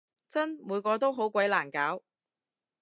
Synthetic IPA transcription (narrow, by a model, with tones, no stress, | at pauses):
t͡sɐ˥nmuː˨˧jkɔː˧t̪o˥wɦo˨˥wkʷɐ˨˥jlaː˨˩nkaː˨˥w